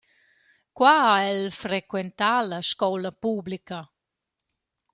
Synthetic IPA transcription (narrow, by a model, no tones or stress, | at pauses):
kwaaɛlfɾekwent̪alɐʃkɔwlɐpublikɐ